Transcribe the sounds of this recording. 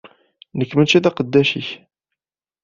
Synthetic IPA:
nəkːmənt͡ʃiðæqəd̪ːæʃiç

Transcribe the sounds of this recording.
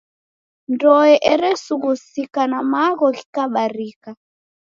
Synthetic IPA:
ndɔɛʔɛɾɛsuɣusikanamaɣɔki̥kaɓaɾika

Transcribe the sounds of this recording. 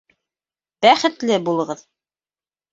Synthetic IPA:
b̥æχɘ̆t̪lɘbulˠɤ̆ʁɤð

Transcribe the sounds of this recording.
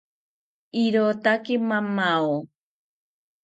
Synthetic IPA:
iɾot̪akemamao

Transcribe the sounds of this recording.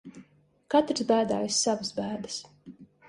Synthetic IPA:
kat̪ɾsbæːd̪aːjisːavasbæːd̪ɨs

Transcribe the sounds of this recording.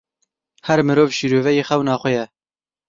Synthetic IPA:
hɛɾmɨɾoːvʃiːɾoːvɛjeːxɛwnɑːχxʷɛjɛ

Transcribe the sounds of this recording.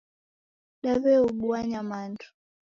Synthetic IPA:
ɗaβɛuɓuaɲamantʰu̥

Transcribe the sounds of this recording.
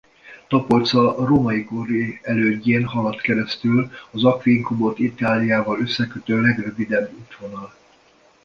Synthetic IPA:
t̪ɒpolt̪sɒroːmɒikoriɛløːɟːeːnhɒlɒt̪kɛɾɛst̪ylɒzɒkʋiŋkubo̞t̪it̪aːlijaːvɒløsːɛkøt̪øːlɛɡrø̞vid̪ɛbːut̪ʋo̞nɒl

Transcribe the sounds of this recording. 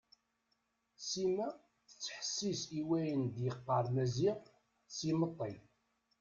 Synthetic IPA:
simæ | θə̥t͡sːħə̥sːisiwæjənd̪jəqːəɾˤmæziʁ | simət̪ˤːi

